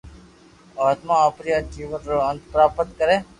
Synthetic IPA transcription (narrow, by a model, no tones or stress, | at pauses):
aːt̪mãːəpɾijaːt͡ʃiːʋənɾoːənt̪pɾaːpət̪kəɾeː